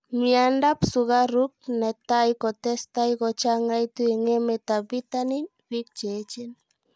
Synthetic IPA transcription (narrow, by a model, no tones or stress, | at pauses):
miandapsuɣaɾuk̚net̪ajkot̪est̪ajkot͡ʃaŋajt̪uiŋemet̪abit̪anin | wik̚t͡ʃet͡ʃin